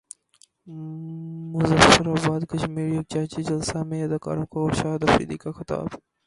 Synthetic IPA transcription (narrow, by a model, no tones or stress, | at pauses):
mʊzɐfɐɾabaːd̪kɐʃmiːɾijɐk̚t͡ʃaːɦt͡ʃid͡ʒɐlsamẽjɐd̪aka̰ːɾõkaɾʃaːd̪ɐfḭːd̪ikaxɪt̪a̰ːb